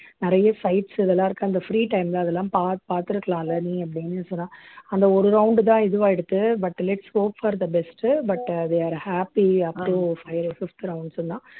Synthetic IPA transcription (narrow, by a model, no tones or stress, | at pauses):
nɪɾɐjɐsɐɪʈsɪðɛlːãːɪɾɯkːɯ̃ɐnd̪ɐfɾiːʈɐɪmlãːɐðɛlːãːpaːt̪paːɾt̪ɪɾɯkːɐɭãːɪlːɐnĩːɐp̬ːɐɽɪnːɯsɔnːaːɐnd̪ɐɔɾɯɾɐʊ̃ɳɖt̪ãːɪðɯʋaːɛɽɯt̪ːɯbɐʈːlɛʈsʋoːkfɐɾd̪ɐbɛsʈbɐʈd̪eːaːɾhaːpiɐpʈũfɐɪɾofɪft̪ɾɐʊ̃ɳɖsnd̪ãː